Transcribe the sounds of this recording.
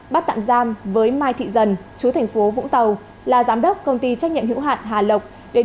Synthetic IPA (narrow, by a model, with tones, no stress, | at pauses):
ɓa˦˥t̪̚a̰ː˧˨mzaː˧mvəː˨˦jmaː˧jt̪ʰḭ˧˨zə˨˩nt͡ɕu˨˦t̪ʰɛ˨˩ŋ̟fo˨˦vʊ̰˧˥ŋ͡mt̪ə˨˩w | laː˨˩zaː˨˦mɗə˦˥wk͡p̚kə˧wŋ͡mt̪i˧t͡ɕa˦˥k̚ɲḭ˧˨mɦḭ˧˥wɦa̰ː˧˨nɦaː˨˩lə˨˩wk͡p̚ | ɗe˨˦